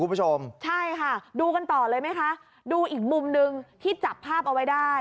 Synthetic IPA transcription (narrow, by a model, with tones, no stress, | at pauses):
u˨˧˦pu˥t͡ɕʰo˧mt͡ɕʰa˥˩jkʰa˥˩duː˧ka˧nt̪ɔː˨˩lɤː˧jma˥jkʰa˦˥ʔ | duː˧ʔiː˨˩k̚mu˧mnɯ˧ŋt̪ʰiː˥˩t͡ɕa˨˩pʰːaː˥˩p̚ʔa˧wa˦˥jdaː˥˩j